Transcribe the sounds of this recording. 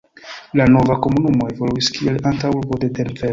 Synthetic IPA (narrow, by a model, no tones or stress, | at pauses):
lano̞vako̞munumo̞evoluiskielantawuɾbode̞denveɾo